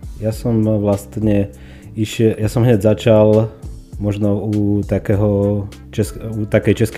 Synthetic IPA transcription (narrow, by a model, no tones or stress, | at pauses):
jasɔmʋlast̪ɲɛ | iʃɛjasɔmɦɲɛɟzat͡ʃal | mɔʒnɔut̪akɛːɦɔ | t͡ʃɛsut̪akɛjt͡ʃɛsk